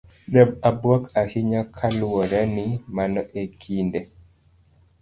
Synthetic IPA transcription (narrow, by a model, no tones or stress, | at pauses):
ɗɛbabwɔkahiɲakʰalwɔɾɛnimanɔʔekʰinde